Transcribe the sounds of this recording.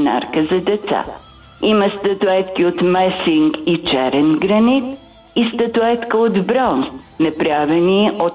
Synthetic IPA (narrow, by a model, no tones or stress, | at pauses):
na̰ɾkəzɐd̪ɛt̪sa̰ | iməst̪ɐt̪ʊɛt̪kʲiot̪mɛsiŋkit͡ʃɛɾɛnɡɾɐnit̪ | ist̪ət̪ʊɛt̪kəod̪bɾɔnsnɐpɾavɛniʔot̪